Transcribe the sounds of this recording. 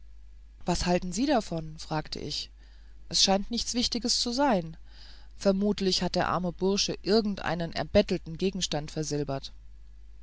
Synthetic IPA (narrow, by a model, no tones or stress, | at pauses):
v̥ashaltn̩ziːɾafɔnfʁ̥aːktʰə̰ʔɪ̰ç | ʔɛsʃaɪntnɪçt͡sv̥ɪçtɪɡəst͡suzaɪn | fɛɐmuːtʰlɪçhat̚d̥eːɐʔa̰ɐməbʊɐʃəʔɪɐɡŋ̩tʔa̰ɪnənʔɛ̰ɐbɛtl̩tn̩ɡeːɡŋ̩ʃtantfɛɐzɪlbɐt